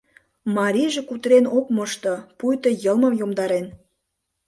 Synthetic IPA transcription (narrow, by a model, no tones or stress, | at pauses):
mɑɾʲiʒekut̪ɾenok̚mɤʃt̪opujt̪ŏjəlməmjomd̪ɑɾen